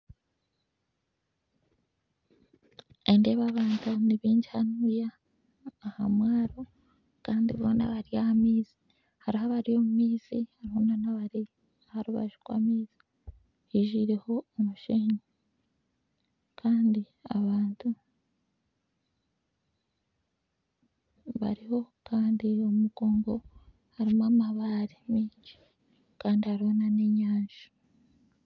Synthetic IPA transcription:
ende̞βaβaːntʰuniβiːɲɟihanujaː | hamwaːɾo | kaːndiββo̰na̰βaɾijahamiːzi̥ | haɾiɦaβaɾijo̞mumiːzihaɾihonanaβaɾi | haɾuβa̰ʒukwa̰miːz̥i | hiːʒiːɾe̞ho̞ːmuʃiːɲi | kʰaːndi | aβaːntʰu | βa̰ɾiho̞kaːndiomuɡo̞ːmbo̞ | haɾimamaβaɾemiːɲɟi̥ | kaːndihaɾiho̞naneɲaːɲʒ̥u̥

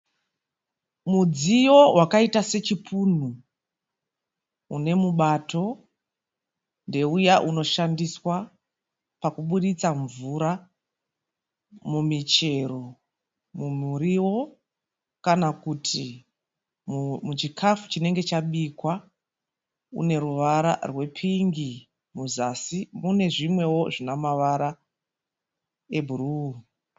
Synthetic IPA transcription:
mud͡zijo̞wakaitase̞t͡ʃipuːn̤u | une̞muɓato̞ | nde̞ujaʔuno̞ʃandiswa | pakuɓuɗit͡saɱvuɾa | mumit͡ʃe̞ɾo̞ | mumuɾiwo̞ | kanakutʰi | mut͡ʃikʰafu̥t͡ʃine̞ŋɡe̞t͡ʃaɓikwa | ṵne̞ɾuʋaɾa̰rwe̞pʰiŋɡi | muzasimune̞ʐimwe̞wo̞ʐinamaʋaɾa | e̞bʱuru

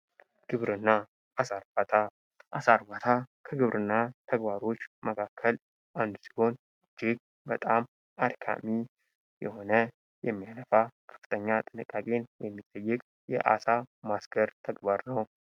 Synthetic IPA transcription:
ɡ̥ɨβɾɨnːa | asaɾbat̪ʰa | ʔasaɾbat̪ʰakʰəɡɨβɾʔɨnːat̪ʰəɡbaɾo̞t͡ʃːməkʰakʰːəl | ʔand̪usi̥ho̞n | ɨd͡ʒɪɡ̚ | bət̪ʼam | ad̪kʰa̰mi | jɛho̞nə | jɛmːijaləfakʰə̥fɨ̥t̪ʰəɲːat̪ʼɨnɨkʼːakʼe̞njɛmːit̪ʼːəjːɪkʼ | jɛ̰ʔa̰samasɡəɾt̪ʰəɡbaɾnəw

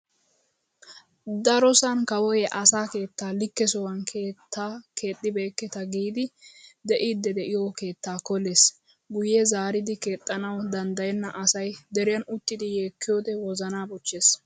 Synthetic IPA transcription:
d̪ɐɾɔsɐnkɐwɔjɛʔɐsaːke̞ːt̪ːaːlɪkːɛsɔwɐnkʰe̞ːt̪ːaːkʰe̞ːt̪ʼːɪbeːkːɛt̪ɐɡiːd̪ɪd̪ɛʔiːd̪ːɛd̪ɛʔɪjoke̞ːt̪ːaːkɔleːs | ɡʊjɛzaːɾɪd̪ɪke̞ːt̪ʼːɐnɐwd̪ɐnd̪ɐjɛnːɐʔɐsɐjd̪ɛɾɪjɐnʊt̪ːɪd̪ɪjeːkːɪjoːd̪ɛwɔzɐnaːbɔt͡ʃːeːs

